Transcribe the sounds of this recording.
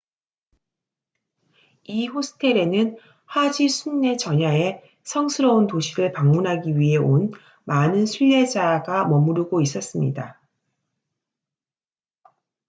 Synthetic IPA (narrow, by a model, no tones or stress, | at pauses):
iɸosʰɯ̥tʰe̞ɾe̞nɯn | had͡ʑisʰunːe̞t͡ɕʌɲae̞ | sʰʌŋsʰɯɾʌuntoɕʰiɾɯɭpaŋmunɦaɡiɥiɦe̞ʔon | manɯnsʰuʎːe̞d͡ʑaɡamʌmuɾuɡois͈ʌs͈ɯmɲḭda